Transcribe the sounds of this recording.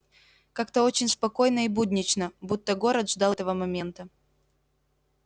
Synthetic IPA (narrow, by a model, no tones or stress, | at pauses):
kakt̪əo̞t͡ɕɪnʲspɐko̞jnəibud̪ʲnʲɪt͡ɕnəbut̪ːəɡo̞ɾət̪ʐd̪at̪əvəmɐmʲent̪ə